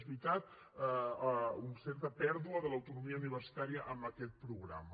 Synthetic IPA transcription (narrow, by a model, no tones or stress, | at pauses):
zβɾit̪at̪̚ | unsɛrt̪əpɛɾðuəðələwt̪unumiəuniβ̞ərsi̥t̪aɾiəʔəmbəkɛt̪̚pɾuɣɾa̰mə